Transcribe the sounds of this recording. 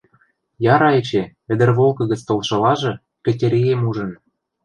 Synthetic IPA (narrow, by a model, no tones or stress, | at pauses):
jɑɾɑet͡ɕeɘ̆d̪ɘ̆rβolˠkɤ̆ɣə̆t͡st̪olʃɤ̆lɑʒɤ̆ | pɘ̆tʲeɾʲiemuʒə̆n